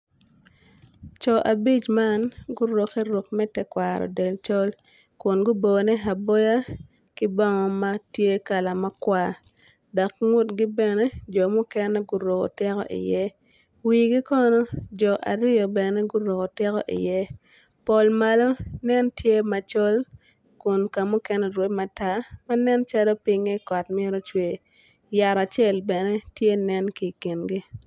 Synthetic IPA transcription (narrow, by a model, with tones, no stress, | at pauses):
t͡ʃɔ˨ʔa˨bi˦t͡ʃma˦nɡu˦ɾo˨kɛ˦ɾo˨kmɛ˦tɛ˦kwa˨ɾɔ̰˨dɛ˨lt͡ʃɔ˦l | kʊ˨nɡʊ˦bo˨ɡo˨nɛ˦ɦa˨bo˦ja˦ | kɪ˦bɔ˦ŋɔ˦ma˦tje˦ka˨la˨ma˦kwa˦˨ | dɔ˨kŋʊ˦tɡi˦bɛ˨nɛ˦d͡ʒɔ˨mʊ˦kɛ˦nɛ˦ɡu˦ɾo˨kɔ̰˨tɪ˦kɔ̰˦ʔɪ̰˨jɛ˦ | wi˨ɡi˦kɔ˦nɔ˦d͡ʒɔ˨ʔa˨ɾɪ˦ɔ˨bɛ˨nɛ˦ɡʊ˦ɾo˨ɡɔ˨tɪ˦kɔ̰˦ʔḭ˨jɛ˦ | po˨lma˨lɔ˦nɛ˦ntje˦ma˨t͡ʃo˦l | kʊ˨nka˨mʊ˦kɛ˦nɛ˨ɾwe˦ma˨ta˦ma˦nɛ˦nt͡ʃa˦lɔ˦pɪ˦ŋi˦kɔ˨tmɪe˦ɾɔ˦t͡ʃwe˨ | ja˨ɾa˨t͡ʃe˦lbɛ˨nɛ˦tje˦nɛ˦nki˨ki˨nɡi˦